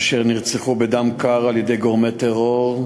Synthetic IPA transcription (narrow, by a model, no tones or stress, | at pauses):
ʃeʁniʁt͡seχubed̪amkaʁaljed̪e̞jɡoʁmet̪eʁoʁ